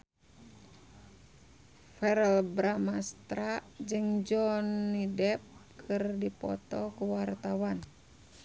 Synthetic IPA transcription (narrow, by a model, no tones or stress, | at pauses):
fɛɾɛlbɾamast̪ɾad͡ʒɨŋd͡ʒɔnːidɛp̚kʰɨrdipɔ̰t̪ɔkuwart̪awan